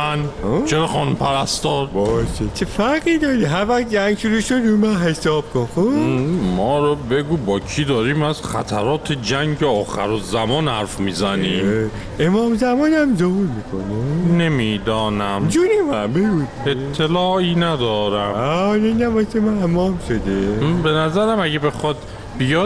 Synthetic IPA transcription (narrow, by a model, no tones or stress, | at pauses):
ænot͡ʃʰeɾɒːχɒːnumpʰæɾæst̪ɒːɾbɒːʃet͡ʃʰefæɾɣiːd̪ɒːɾiɦæɾvæxd͡ʒæŋɡʃuɾuːʃod̪ɾumænɦesɒːb̚kʰonxomɒːɾobeɡuːbɒːkʰiːd̪ɒːɾiːmæzxæ̰t̪ʰæɾɒːt̪ʰed͡ʒæŋɟeɒːxæɾozæmɒːnhæɾfmiːzæniː | emɒːmzæmɒːnæmzohuːɾmiːkʰo̰nene̞miːd̪ɒːnæmd͡ʒuɾimæbeɡud̪et̪ʰːelɒːʔiːnæd̪ɒːɾæmanenæbɒsemæemɒːmʃod̪ebenæzæɾæmæɡebexɒːd̪ | bijɒːd̪